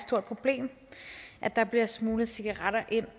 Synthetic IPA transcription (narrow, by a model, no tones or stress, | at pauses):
sd̥oɐ̥pʰʁo̝b̥le̝̰ːm | ʔæd̥ɑ̈b̥liɐsmuːləsiɡ̥ɐʁaɾ̥ɐʔe̝n̰